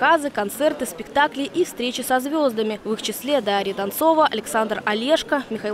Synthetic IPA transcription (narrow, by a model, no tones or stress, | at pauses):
kazɨkɐnt̪sɛrt̪ɨspʲɪkt̪aklʲɪʔifst̪ɾʲet͡ɕɪsɐzvʲo̞zd̪əmʲɪvɨxt͡ɕɪslʲed̪aaɾʲɪjət̪ɐnt̪so̞vəʔɐlʲɪksand̪rɐlʲeʂkəmʲɪxɐi